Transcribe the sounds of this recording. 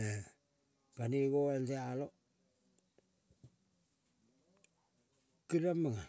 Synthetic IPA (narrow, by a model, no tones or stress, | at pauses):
e | kaniɡoensealo | kiɾamaŋa